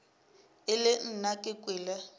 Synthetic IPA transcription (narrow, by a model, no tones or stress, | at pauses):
ɪlɪn̩nakʼɪkʼwɪːla